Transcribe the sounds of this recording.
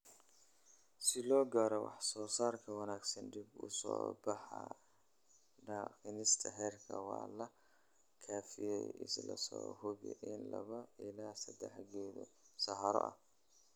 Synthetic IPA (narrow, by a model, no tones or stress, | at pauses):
sɪlɔːɡɐɾɔwɑ̰ħsɔːsaːrkʰɐwɑnaːɡsɐnɖibʊ̰sɔ̰ːbɑħɑ | ɖɑːqɪnɪst̪ʰɐɦɛːrkʰɐwɑːlɐ | kʰaːfijɛjʔɪslɐ̰sɔːhɔɣɛ̰ʔɪnlɐβɐɪlaːsɐd̪ɛħɡɛːðɔ̰sɐhɐɾɔ̰ʔɐ̰